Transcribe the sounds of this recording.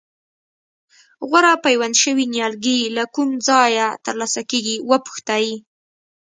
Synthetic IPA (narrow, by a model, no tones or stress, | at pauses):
ɣwaɾapajwanʃəwinjɑlɡilakumd͡zɑjat̪əɾlɑsakeɡiwəpu̥xt̪ɑji